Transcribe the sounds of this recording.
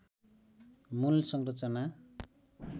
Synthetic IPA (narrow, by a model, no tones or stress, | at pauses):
mulsʌŋrʌt͡sʌna